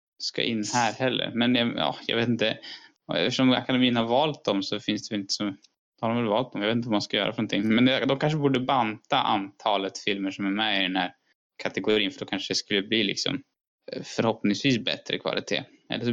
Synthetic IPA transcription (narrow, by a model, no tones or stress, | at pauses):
ska̰ʔɪnːhæːɾhɛlːə̰ɾmɛnjɑjɑ̰ːjɑ̰veːt̪ɪnt̪ə̰ | ɛ̰ft̪əʂɔma̰kad̪ɛmiːənhaɾvɑːlt̪̚d̪ɔmsɔfɪnsd̪ɛɪnt̪ə̥sɔm | d̪haɖɔmvɛlvɑːlt̪̚d̪ɔmjɑeːt̪t̪vmanskajœ̰ːɾafœnɔnt̪ʰɪŋːmɛnd̪d̪ɔmkʰanʂ̬əbuːɖəbant̪aʔa̰nt̪ʰɑːlət̪fɪlməʂɔmæɾmɛɪɾɛnhæːɾ | kʰat̪ɛɡʊɾiːnfœɖɔkʰanʂədɛskɵlːəbliːlɪ̰ksɔ̰m | fœɾhɔpnɪŋsviːsbɛ̰t̪ɾə̰kʰva̰lɪt̪ʰḛː | ʔɛ̰lː